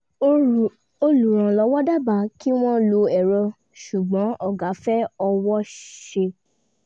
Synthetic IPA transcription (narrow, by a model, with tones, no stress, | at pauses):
o˧lu˨ɾ̃ã˨lɔ˧˦wɔ˦da˦ba˨ki˦w̃ɔ̃˦lo˧ɛ˨ɾɔ˧ | ʃu˨ɡ͡bɔ̃˨˦ʔɔ˦˨ɡa˨˦fɛ˦ɔ˧wɔ˦ʃe˧